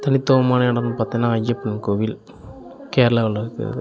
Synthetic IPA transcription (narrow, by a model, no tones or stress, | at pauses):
t̪ɐnɪt̪ːoːɐmaːnɐɐɽɐnːɯpaːɾt̪iŋɡɐnːaːɐjːɐpːɐnkoːʋil | keːɾɐlaːlːɐɾɯkːɯ̰ɾɐ̰ðɯ